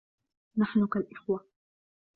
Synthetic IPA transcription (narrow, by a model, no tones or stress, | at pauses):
naħnʊkalʔɪxwa